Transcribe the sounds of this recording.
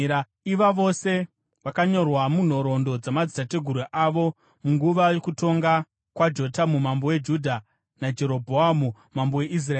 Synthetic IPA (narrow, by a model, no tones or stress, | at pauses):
iʋaʋo̞se̞ | ʋakaɲo̞rwamun̤o̞ɾo̞ndo̞d͡zamad͡zitate̞ɡʱuɾweʔaʋo̞ | muŋɡuʋajo̞kuto̞ŋɡa | kwad͡ʒo̞tamumambo̞we̞d͡ʒudʱa | nad͡ʒe̞ɾo̞bʱoamu | mambowe̞ʔis̬rae